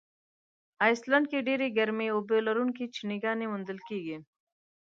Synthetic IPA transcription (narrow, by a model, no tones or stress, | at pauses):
aːjslɐɳɖ̚keɖeːɾeɡɐɾmeoːbeːlɐɾunkit͡ʃʰiniɡaːnemʊnd̪əlkiːɡeː